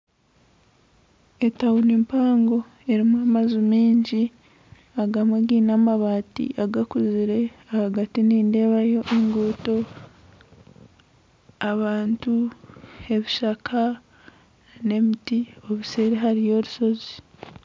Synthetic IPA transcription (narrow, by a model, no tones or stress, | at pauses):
e̞tawunimpaːŋɡo̞ | e̞ɾimuamazumiːɲɟi | aɡamaɡiːnaːmaβaːtḭʔaɡakuziɾe̞ahaɡatiniːnde̞ːβajo̞ʔeŋɡuːto̞ | aβaːntu | e̞βiʃakʰa | ne̞mitio̞βuse̞ːɾeɦaɾijo̞ɾuso̞zi